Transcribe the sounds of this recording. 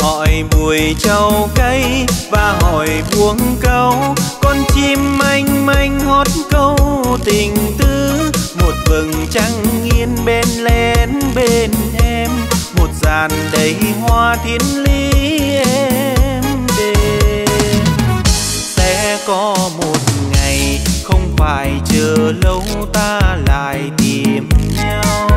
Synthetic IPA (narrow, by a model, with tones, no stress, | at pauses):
hɔ̰˧˨jɓu˨˩əjt͡ɕə˨˧˩wkə˧jvaː˨˩ɦɔ˨˩jɓu˨˦əŋkə˧wkɔ˧nt͡ɕi˧mːʔa˧jŋ̟ma˧jŋ̟hɔ˨˦˥t̚kə˧wt̪ï˨˩ŋ̟t̪ɨ˧˦mo˨˩t̚vɨ˨˩ŋt͡ɕa˧ŋːi˧ənɓe˧nlɛ˧nɓe˧nʔɛ˧mː | o˨˩t̚zaː˨˩nɗə˨˦jhwaː˧t̪ʰi˨˦ənli˧ʔɛ˧mɗe˧ | sɛ̰˧˥kɔ˨˦mo˨˩t̚ŋa˨˩jxə˧wŋ͡mfaː˧˩jt͡ɕəː˨˩lə˨˦wt̪aː˧la̰ː˧˨jt̪i˨˩əəmnaː˧w